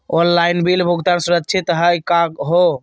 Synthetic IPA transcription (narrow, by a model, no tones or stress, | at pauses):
onlainbilbʱuɡt̪ansuɾət̪ːt͡ʃʰit̪ɦəjkakɦo